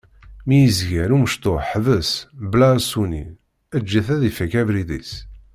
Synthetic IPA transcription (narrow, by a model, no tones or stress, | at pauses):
mijəzʝæɾuməʃt̪oħðəsblaɾsunḭ | æd͡ʒːæθæðifækævɾiðḭs